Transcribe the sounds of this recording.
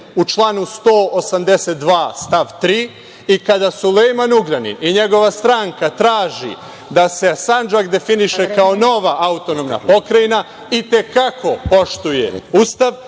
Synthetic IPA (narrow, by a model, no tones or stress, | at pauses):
ut͡ʃlˠaːnust̪o̞ːosamd̪e̞set̪̚d̪ʋaːst̪aʋt̪ɾiː | ikad̪asulejmanuɡɾanḭiɲe̞ɡo̞ʋast̪ɾaŋkat̪ɾaːʒḭ | d̪ase̞sand͡ʒakd̪e̞finiʃe̞kaono̞ʋaaut̪o̞nomna̰po̞kɾajina | it̪e̞kako̞po̞ʃt̪uje̞̰ust̪aʋ